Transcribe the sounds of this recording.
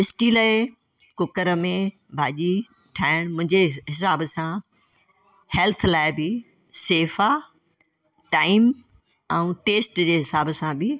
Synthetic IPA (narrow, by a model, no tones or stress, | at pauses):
ɪsʈilaːɪ | kʊkəɾəmẽ | bʱaːʄi | ʈʰaːɪɽ̃mʊ̃ɦɪ̃ɲd͡ʑeɦɪsaːbsã | hɛlt̪ʰlaːɪbɪ | seːfa | ʈaːɪm | ɛ̃ũːʈeːsʈd͡ʑeːɦɪsaːbəsãbɪ